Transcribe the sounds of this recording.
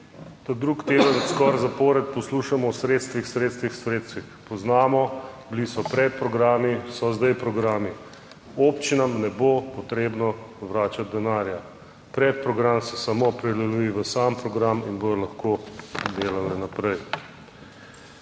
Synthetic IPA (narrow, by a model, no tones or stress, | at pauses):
t̪ad̪ɾukt̪eːd̪ənskɔɾzapɔːɾɛt̪̚pɔsluːʃamɔwsɾeːt̪st̪ʋixsɾeːt̪st̪ʋixsɾeːt̪st̪ʋixpɔznaːmɔblisɔpɾɛt̪̚pɾɔɡɾaːmisɔzd̪ajpɾɔɡɾaːmi | opt͡ʃinamnɛbopɔt̪ɾeːbnɔʋɾaːt͡ʃat̪̚d̪ɛnaːɾja | pɾɛt̪̚pɾɔɡɾamsɛsamopɾɛd̪ɛlujiʋəsaːmpɾɔɡɾaminbod̪ɔlaxkod̪eːlalɛnapɾɛj